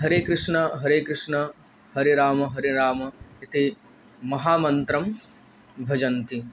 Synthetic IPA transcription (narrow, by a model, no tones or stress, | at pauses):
ɦɐɾeːkɾɪʂɳɐɦɐɾeːkɾɪʂɳɐ | hɐɾiɾaːmɐɦɐɾiɾaːmɐit̪i | mɐɦaːmɐnt̪ɾɐm | bʱɐd͡ʒɐnt̪i